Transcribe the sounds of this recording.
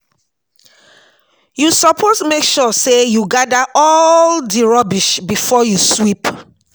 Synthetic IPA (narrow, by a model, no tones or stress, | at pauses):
jusɔpʰosmekʃɔsejuɡadaʔɔldiɹɔbiʃbifɔjuswip